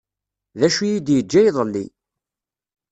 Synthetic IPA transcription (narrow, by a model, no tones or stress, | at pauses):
ðæʃujid̪jəd͡ʒːæjðˤəlːḭ